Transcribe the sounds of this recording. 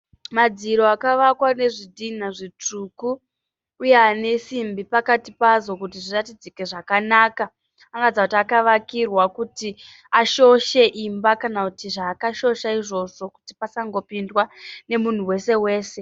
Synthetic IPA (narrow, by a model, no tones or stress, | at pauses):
mad͡ziɾo̞akaʋakwane̞ʐidʱin̤aʐit͡ʂukuː | jeane̞simbipakatipazo̞kutiʐiratid͡zike̞ʐakanaːka | aŋɡad͡zakutiakaʋakirwakuti | aʃo̞ʃe̞ʔimbakanakutiʐaːkaʃo̞ʃaiʐo̞ʐo̞ku̥tipasaŋɡo̞pindwane̞mun̤uwe̞se̞we̞ːse̞